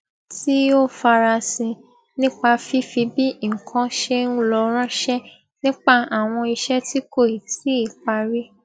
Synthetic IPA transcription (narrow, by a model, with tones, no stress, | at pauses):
ti˦o˦fa˧ɾa˧sĩ˧ | nĩ˦k͡pa˧fi˦fi˧bi˦˨kʰɔ̃˧ʃe˧nũ˦lɔ˧ɾ̃ã˦ʃɛ˦ | nĩ˦k͡pa˦˨a˨w̃ɔ̃˧i˧ʃɛ˦ti˦ko˦˨i˨si˨˦i˦˨k͡pa˧ɾi˦